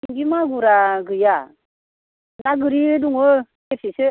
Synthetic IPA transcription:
ŋɡimaɡuɾaɡɯja | naɡɯɾiduŋɯ | kepisɯ

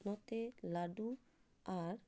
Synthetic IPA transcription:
nɔt̪elaɖu | aɾ

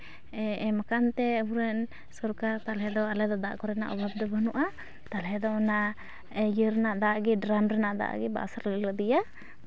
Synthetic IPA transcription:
ɛɛmakant̪ɛɦuɾɛn | sɔɾkaɾt̪alɦɛd̪ɔalɛd̪ɔd̪a̰ʔkɔɾɛna̰ʔɔ̰bʱab̚d̪ɔbʱənuʔa | t̪alɦɛd̪ɔɔnaʔ | ɛjəɾɛnaʔd̪aʔɡiɖɾamɾɛnaʔd̪a̰ʔɡiba̰saɾlələd̪ija

